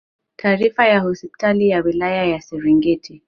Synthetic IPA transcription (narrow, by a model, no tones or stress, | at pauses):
tʰaːɾifajahɔspi̥talijawilajajasɛɾiŋɡɛtʰi